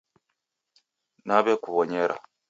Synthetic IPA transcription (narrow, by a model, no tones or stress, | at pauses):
naβekuβɔɲeɾʔa̰